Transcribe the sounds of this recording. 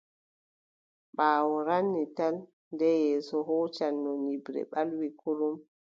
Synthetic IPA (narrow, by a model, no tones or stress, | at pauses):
ɓaːwɔɾanːital | ndɛjɛːsɔɦɔːt͡ʃanːɔnibɾɛ̰ɓalwikuɾum